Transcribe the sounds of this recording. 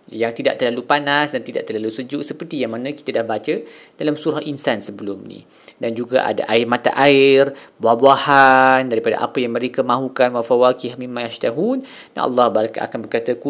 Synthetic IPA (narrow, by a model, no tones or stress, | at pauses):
jaŋt̪ida̰ʔt̪ərlalupanasdant̪idaʔt̪ərlalusəd͡ʒʊʔsəpərt̪ijaŋmanãki̥t̪adahbat͡ʃə | d̥alamsuɾahʔinsansəbəlʊmnḭ̃ | dand͡ʒuɡa̰ʔa̰da̰ʔaɪrmãt̪a̰ʔaɪrbahbuahandaɾipada̰ʔa̰pajaŋmə̃ɾekamãɦukanwafawakihmimːajaʃt̪aɦun | aʔɑ̰lːɑhbaɾkaʔa̰kanbərkat̪aku